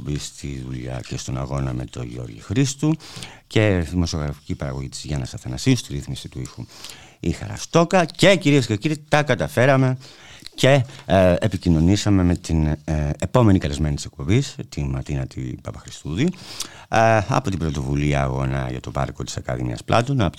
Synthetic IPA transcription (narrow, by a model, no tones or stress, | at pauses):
bist̪iðuʎɐ̰cest̪onɐ̰ɣo̞nɐme̞̰t̪o̞̰ʝo̞̰ɾʝḭxɾist̪uce̞ðimo̞sio̞ɣɾɐfi̥cipɐɾɐɣo̞ʝit̪i̥zʝɐnɐsɐθɐnɐsiust̪iɾiθmisit̪uixu | ixɐ̰ɾɐ̰st̪o̞kɐce̞ciɾiesce̞ciɾit̪ɐkɐt̪ɐfe̞ɾɐme̞ce̞epicino̞nisɐme̞me̞t̪inepo̞me̞nikɐle̞zme̞nit̪ise̞kpo̞bist̪inmɐɾt̪inɐt̪ḭpɐpɐxɾist̪uðiu | ɐ̰po̞t̪ibɾot̪o̞vuliɐ̰ːɣo̞nɐ̰ʝɐ̰t̪o̞pɐ̰ɾko̞t̪i̥sɐkɐ̰ðḭnḭɐ̰splɐt̪onɐ